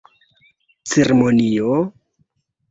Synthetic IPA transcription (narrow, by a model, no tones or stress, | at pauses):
t͡seɾemonio